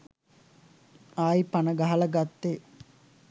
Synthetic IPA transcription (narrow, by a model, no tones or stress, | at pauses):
aːipanəɡaɦɐlɐɡat̪ːe